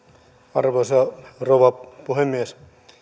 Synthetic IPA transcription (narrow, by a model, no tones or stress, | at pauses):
ɑrʋosɑroʋɑpuhemːies